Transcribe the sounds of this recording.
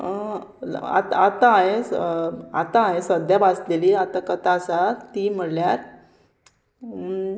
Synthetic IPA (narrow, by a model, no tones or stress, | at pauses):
a̰t̪aat̪aaɦe | at̪ãːɦesəd̪ʱjabasleliat̪akət̪asat̪iːm̤əɽljaɾ